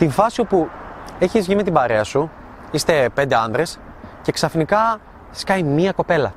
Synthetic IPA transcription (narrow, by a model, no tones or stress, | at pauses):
t̪iɱfɐsio̞pue̞çizʝime̞t̪ibɐɾe̞ɐsu | ist̪e̞pe̞nd̪e̞ɐnd̪ɾe̞s | ce̞ksɐfnikɐ | skɐjmiɐko̞pe̞lɐ